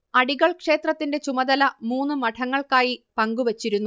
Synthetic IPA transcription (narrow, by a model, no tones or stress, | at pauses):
ɐɽiɣɐɭkʂe̞ːt̪rɐt̪ːinde̞t͡ɕumɐd̪ɐlɐmuːnːɨmɐʈʰɐŋːɐɭkaːjipɐŋɡuʋeɐt͡ɕːiɾunːu